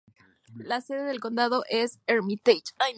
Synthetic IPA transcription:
lase̞ðe̞ðe̞lko̞nd̪að̞o̞ʔe̞seɾmit̪ejt͡ʃaj

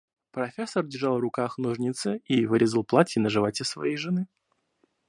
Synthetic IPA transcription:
pɾɐfʲesərdʲɪrʐɑlˠvrʊkaxnuʐnʲit̪sɨivɨɾʲɪzəlˠplˠatʲjɪnəʐɨvatʲəsvɐ̰jejʐɨnɨ

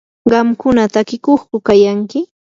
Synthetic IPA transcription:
ɢɑmkʊnat̪akɪkoχkʊkajaŋkɪ

